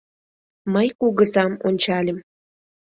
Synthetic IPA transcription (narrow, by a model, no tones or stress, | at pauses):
məjkuɣəzɑmonʲt͡ɕɑlʲə̆m